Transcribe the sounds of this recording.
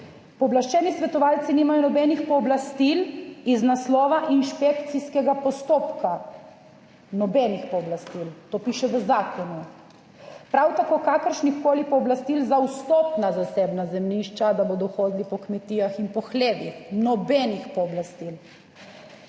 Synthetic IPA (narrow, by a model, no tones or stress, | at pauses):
pɔblaʃt͡ʃɛːnisʋɛt̪ɔʋalt̪siniːmajɔnɔbɛnixpɔːblast̪iliznaslɔːʋaʔinʃpekt̪siskɛɡapɔst̪oːpkʰa | nɔbɛnixpɔːblast̪ilt̪oːpiːʃɛʋəzaːkʰɔnu | pɾawt̪akoːkaːkəɾʃnixkoːlipɔːblast̪ilzawst̪opnazaseːbnazɛmniʃt͡ʃad̪aboːd̪ɔxoːd̪lipɔkmɛt̪iːjaxinpɔxleːʋixnɔbɛnixpɔːblast̪il